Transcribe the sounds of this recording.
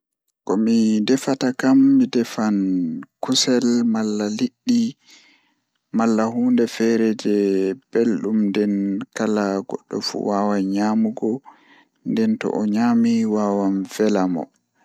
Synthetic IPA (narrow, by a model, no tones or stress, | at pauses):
kɔmidɛfatakamːidɛfankusɛlmalːaliɗːi | malːaɦuːndɛfɛɾɛd͡ʒɛb̥elɗumndɛnkalaɡɔ̰ɗːɔ̰fṵwawaɲamuɡɔ | ndɛntɔ̰ʔɔɲaːmiwawanfɛlamɔ̰